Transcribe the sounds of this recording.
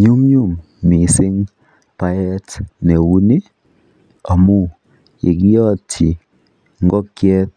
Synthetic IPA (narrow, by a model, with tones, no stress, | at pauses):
ɲu˦mɲu˦˨mː | i˨sɪ˦ŋ | pa˦jɛ˦tnɛ˨wu˦ni˦ | a˨mu˦ | ḭ˨ki˦jɔ˦tʰi˨ | ŋ˦ɡɔ˦kjɛ˦t̚